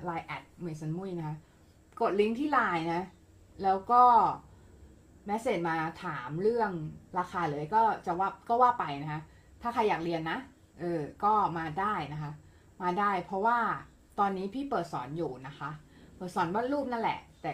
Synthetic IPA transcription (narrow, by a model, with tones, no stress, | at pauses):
laː˧jʔɛ˨˩t̪̚mɯ˨˩jsa˧˦nmu˥˩˨jna˦˥kʰa˦˥ | ko˨˩t̪̚li˦˥ŋt̪ʰiː˥˩laː˧jna˦˥ | lɛː˦˥wkɔː˥˩ | mɛ˦˥seː˨˩t̪̚maː˧t̪ʰaː˩˦mɾɯ˥˩əŋɾaː˧xʰaː˧lɯː˩˦ə˦jkɔː˥˩t͡ɕa˨˩waː˥˩kɔː˥˩waː˥˩pa˧jna˦˥kʰa˦˥ | t̪ʰaː˥˩kʰa˧jːaː˨˩k̚ɾi˧ənːa˦˥ʔ | ʔɤː˧kɔː˥˩maː˧daː˥˩jna˦˥kʰa˦˥ʔ | maː˧daː˥˩jpʰɾɔ˦˥waː˥˩ | t̪ɔː˧nːiː˦˥pʰiː˥˩pɤː˨˩t̪̚sɔː˩˦njuː˨˩na˦˥kʰa˦˥ʔ | pɤː˨˩t̪̚sɔː˩˦nbaː˥˩nlɾuː˥˩p̚na˥nlɛ̰˨˩ʔt̪ɛː˨˩